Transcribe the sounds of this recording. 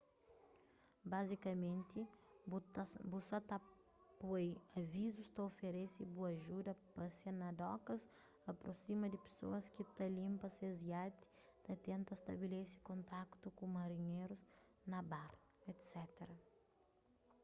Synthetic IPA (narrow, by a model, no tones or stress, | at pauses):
bazikɐmẽnt̪i | busat̪a | pojɐvizust̪ɐofeɾesibuɐʒud̪ɐpɐsjɐnɐd̪ɔkɐs | ɐpɾosimɐd̪ɪpe̥so̰ɐskit̪ɐlĩmpɐseziat̪i̥ | t̪ɐt̪ẽnt̪ɐst̪ɐbelesɪ̥kõnt̪akt̪ukõmɐɾiɲeɾuz | nɐbaɾ | ɛt̪sɛt̪eɾɐ